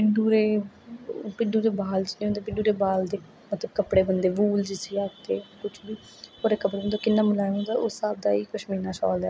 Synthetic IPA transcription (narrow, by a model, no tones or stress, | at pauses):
pɪɳɖuːɾeː | pɪɳɖuːɾeːbaːlt͡ʃneːõnd̪eːpɪɳɖuːɾeːbaːld̪eː | mət̪ləbkəpɽeːbənd̪eːbuːld͡ʒɪseːaːkt̪eːkʊt͡ʃʰbiː | oːɾeːkəpɽebənd̪oːkɪnːaːmlaːõːd̪aːʊsaːb̚d̪aːiːkəʃmiːnaːʃɔ̰ːlɛː